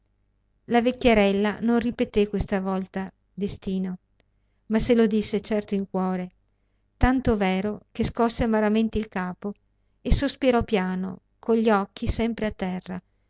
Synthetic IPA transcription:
lavekʲːeɾɛlːanonripet̪ekːwest̪avɔlt̪a | d̪est̪iːno | maselod̪isːet͡ʃɛrt̪oiŋkwɔːɾe | t̪ant̪ovɛːɾokeskɔsːeamaɾament̪eilkaːpo | esospiɾɔpjaːno̰ | kʰoʎʎːiɔkːisɛmpɾeat̪ːɛrːa

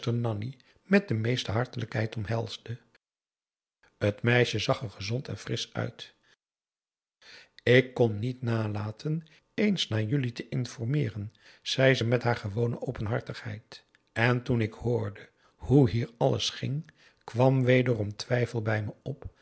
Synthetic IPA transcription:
təɹnɑni | mɛt̚dəmejstəɦɑɹtələkɦɛjtɔmɦɛlˠz̥də | hətmɛjʃəzɑχəɹχəzɔntɛ̰nfrɪsœ̰ɥt | ɪkːɔnːitnaːlaːtʰən | ejnsnaːɹjʏlitəʔɪnfɔɹmɪːrən | z̥ɛjzəmɛtɦaːɹχəʋownəʔowpənɦɑɹtəχhɛ̰jt | ɛntunɪkhʊːɹdə | huɦiːɹɑlə̰sχɪ̰ŋ | kʋɑmʋejdərɔmtʋɛjfəlˠbɛjməɔp

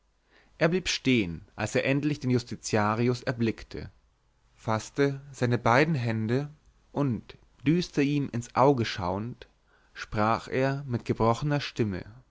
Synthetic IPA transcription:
ʔeːɐbliːpʃteːənʔalseːɐʔɛntlɪçd̥eːnjʊstit͡sjaːʁiʊsɛɐblɪktʰə̰ | fastəz̥aɪnəbaɪdn̩ɦɛndə | ʔʊnt | d̥yːstɐʔiːmʔɪnsʔaʊɡəʃa̰ʊənt | ʃpʁ̥aːχʔeːɐmɪt̚ɡ̥əbʁɔχənɐʃtɪmə̰

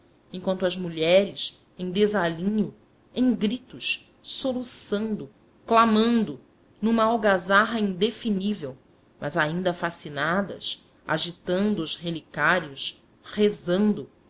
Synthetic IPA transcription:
ẽkwɐ̃nt̪ʊɐzmuʎɛɾɪs | ẽj̃d̪ezalĩɲʊ | ẽj̃ɡɾit̪ʊʃ | solusɐ̃nd̪ʊ | klamɐ̃nd̪ʊ | nũmɐawɡazaɦɐĩnd̪efinivew | mʔɐzaĩnd̪ɐfasinad̪ɐ̰s | a̰ʒit̪ɐ̃nd̪ʊːʃhelikaɾiʊs | hezɐ̃nd̪ʊ

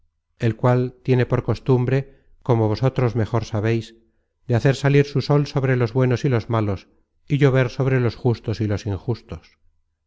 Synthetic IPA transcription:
e̞lkwalt̪je̞ne̞po̞ɾko̞st̪umbɾe̞ | ko̞mo̞βo̞so̞t̪ɾo̞zme̞xo̞ɾsaβejs | d̪eaθe̞ɾsaliɾsuso̞lso̞βɾe̞lo̞zβwe̞no̞silozmalo̞s | iʝo̞β̞e̞ɾso̞β̞ɾelo̞sxust̪o̞silo̞siŋxust̪o̞s

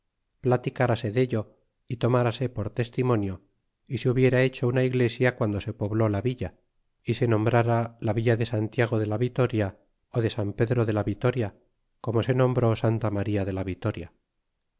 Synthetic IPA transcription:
plat̪ikaɾase̞ðe̞ʎo̞ | it̪o̞maɾase̞po̞ɾt̪e̞st̪imo̞njo̞ | iseuβje̞ɾae̞t͡ʃo̞unaiɣle̞sjakwand̪o̞se̞po̞βlo̞laβiʎa | ise̞nõ̞mbɾaɾalaβiʎaðe̞sant̪jaɣ̞o̞ðe̞laβit̪o̞ɾja | oðe̞sampe̞ðɾo̞ðe̞laβit̪o̞ɾja | ko̞mo̞se̞nõ̞mbɾo̞sant̪amaɾiaðe̞laβit̪o̞ɾja

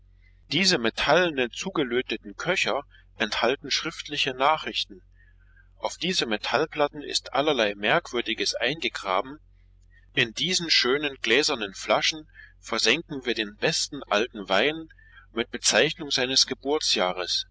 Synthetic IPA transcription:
d̥iːzəmetʰalnənt͡suːɡəløːtətn̩kʰœçɐ | ʔɛnthaltn̩ʃʁ̥ɪftlɪçənaːχʁ̥ɪçtn̩ | ʔaʊfd̥iːzəmetʰalpl̥atn̩ɪ̰stʔalɐlaɪmɛɐkv̥ʏɐdɪɡəsʔaɪnɡəɡʁa̰ːbm̩ | ʔɪndiːzn̩ʃøːnənɡ̥lɛːzɐnənflaʃn̩fɛɐzɛŋkŋ̩viːɐdeːnbɛstn̩ʔaltn̩vaɪn | mɪt̚b̥ət͡saɪçnʊŋzaɪnəsɡ̥əbʊɐt͡sjaːʁəs

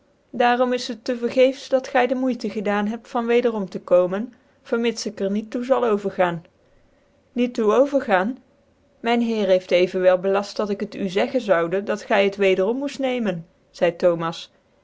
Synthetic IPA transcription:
daːrɔmɪsətːəvəɹχejfsdɑtχɛjdəmujtəχədaːnɦɛp̚tfɑnʋejdərɔmtəkowmən | v̥əɹmɪtsɪkəɹnitːuzɑlˠowvəɹχaːn | ituowvəɹχaːn | mɛjnɦɪːrɦejftejvənʋɛlˠbəlɑst̚dɑtɪkətyzɛχənzɑwdədɑtχɛjətʋejdərɔmːustnejmən | z̥ɛjtowmɑs

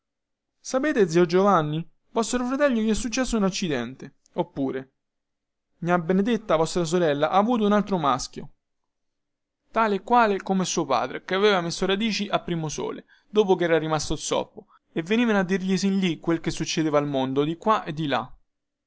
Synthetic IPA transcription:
sapeːt̪ed̪ziod͡ʒovanːi | vɔst̪ɾofɾat̪ɛʎːokiɛsːut͡ʃːɛsːounat͡ʃːid̪ɛnt̪e | opːuːɾe | miabːened̪et̪ːavɔst̪ɾas̬oɾɛlːaʔaːvuːt̪̬ounalt̪ɾomask̟jo | t̪aːleːkwaːlekomesuːopa̰ːd̪ɾekeaveːvamesːoɾad̪iːt͡ʃiʔapːɾiːmoso̰ːle | d̪oːp̬okeɛːɾarimast̪osɔ̰pːo | evːeniːvanad̪ːirʎisinlikːwelkesːut͡ʃːed̪eːvalmond̪od̪ikːwaʔed̪ːila̰

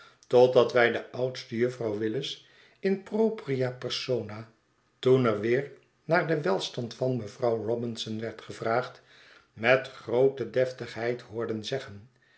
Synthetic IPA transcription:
tɔd̚ɑtʋɛjdəʔʌwtstəjɵfrɑwʋɪləs | ɪnprowpriapɛɹsowna | tunɛɹʋɪːɹ | naːɹdəʋɛlˠstɑntfɑnməvrɑwrɔbɪnsɔnʋɛɹtχəvraːχt | mɛtχrowtədɛftəχɦɛjtɦʊːɹdənzɛχən

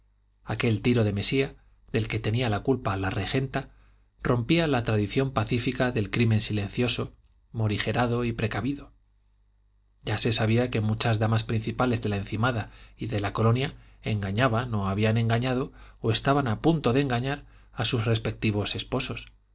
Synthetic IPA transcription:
ake̞lt̪iɾo̞ðe̞me̞sia | ðe̞lke̞t̪e̞nialakulpalare̞xe̞nt̪a | rʔo̞mpialat̪ɾaðiθjo̞mpaθifikaðe̞lkɾimẽ̞nsile̞n̟θjo̞so̞ | mo̞ɾixe̞ɾaðo̞ipɾe̞kaβiðo̞ | ɟ͡ʝase̞saβ̞iake̞mut͡ʃazðamaspɾin̟θipale̞zðe̞laen̟θimaðaiðe̞lako̞lo̞nja | e̞ŋɡaɲaβano̞aβ̞ianẽ̞ŋɡaɲaðooe̞st̪aβ̞anapunt̪o̞ðeŋɡaɲaɾ | asusre̞spe̞k̚t̪iβ̞o̞se̞spo̞so̞s

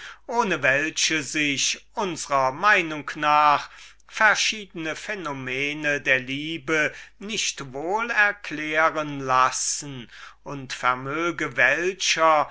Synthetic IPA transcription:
ʔoːnəvɛlʃəzɪçʔʊnzəʁɐmaɪnʊŋknaːχ | fɛɐʃiːdənəfɛnomɛːnədeːɐliːbənɪçtvoːlɛɐklɛːʁənlasn̩ʔʊntfɛɐmøːɡəvɛlɕɐ

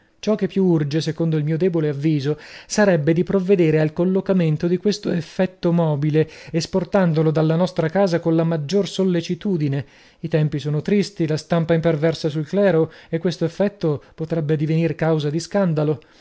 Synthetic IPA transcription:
t͡ʃɔk̟ːepːjuurd͡ʒesekond̪oilmiːod̪ɛːboleavːiːzosaɾɛbːed̪ipɾovːed̪eːɾealkolːokament̪od̪ikwest̪oefːɛt̪ːomɔːbileesport̪and̪olod̪alːanɔst̪ɾakaːzakonlamad͡ʒːorsolːet͡ʃit̪uːd̪ine | it̪ɛmpisoːnot̪ɾist̪ilast̪ampaimpervɛrsasulklɛːɾoekːwest̪oefːɛt̪ːopot̪ɾɛbːed̪ivenirkawzad̪iskand̪alo

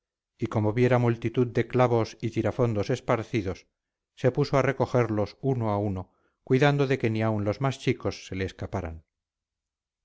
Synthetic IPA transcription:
iko̞moβje̞ɾamult̪it̪uðd̪eklaβo̞sit̪iɾafo̞nd̪o̞se̞spaɾθiðo̞sː | e̞pusoare̞ko̞xe̞ɾlo̞suno̞auno̞ | kwiðand̪oðe̞ke̞niaunlo̞zmast͡ʃiko̞sːe̞le̞ːskapaɾa̰n

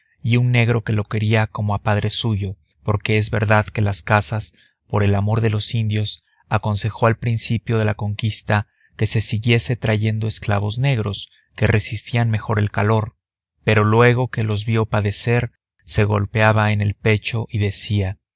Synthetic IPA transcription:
iunːe̞ɣɾo̞ke̞lo̞ke̞ɾiako̞mo̞apaðɾe̞suʝo̞ | po̞ɾke̞e̞zβe̞̰ɾðaðke̞laskasas | po̞ɾe̞lamo̞ɾðe̞lo̞sind̪jo̞s | ako̞nse̞xo̞alpɾinsipjo̞ð̞e̞lako̞ŋkist̪a | ke̞se̞siɣje̞se̞t̪ɾaʝe̞nd̪o̞eskla̰βo̞zne̞ɣɾo̞s | ke̞re̞sist̪ianme̞xo̞ɾe̞lkalo̞ɾ | pe̞ɾo̞lwe̞ɣ̞o̞ke̞lo̞zβjo̞paðe̞se̞ɾ | se̞ɣo̞̰lpeaβaene̞lpe̞t͡ʃo̞ʔiðe̞sia

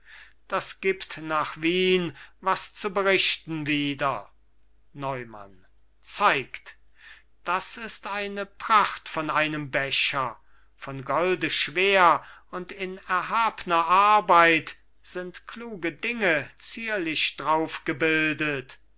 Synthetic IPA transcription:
d̥asɡ̥iːptnaːχviːnvast͡subəʁɪʃtn̩viːdɐ | nɔʏma̰n | t͡saɪkt | d̥asɪstaɪnəpʁ̥aχtfɔnʔaɪnəmbɛʃɐ | fɔnɡɔldəʃv̥eːɐʊntɪnɛɐɦaːbənɐʔaɐbaɪt | z̥ɪntkluːɡədɪŋət͡siːɐlɪʃd̥ʁaʊfɡ̥əbɪldət

